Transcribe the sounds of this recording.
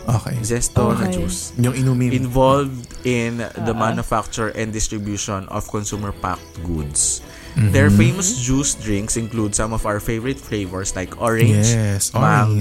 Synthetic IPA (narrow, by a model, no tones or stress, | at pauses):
ʔokḛd͡ʒɛst̪onɐd͡ʒusjʊŋɪnumiɪ̃nvɔlvd̪ɪnd̪ɐmanʊfak̚t͡ʃʊɹɛ̃nd̪ɪst̪ɾɹɪbjuʃɔ̃nɔ̰v̥kɔnsuːmɛɹpa̰k̚t̪ɡud̪s | d̪ɛɹfejmɔsd͡ʒusd̪ɹĩŋksɪ̃nklud̪sɐ̃mɔvawəɹfejvɔɹɪt̪flejvɛɹslajkʔɔɹɛ̃nd͡ʒsmaŋ